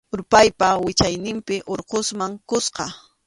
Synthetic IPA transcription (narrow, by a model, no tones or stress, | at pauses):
ʊɾpajpawɪt͡ʃajnɪmpɪʔoɾqosmaŋkʊsqɑ